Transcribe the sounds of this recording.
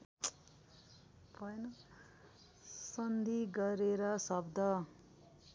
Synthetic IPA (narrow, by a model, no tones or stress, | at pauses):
pʌjnʌ | sʌnd̪ʱiɡʌɾeɾʌsʌbd̪ʱʌ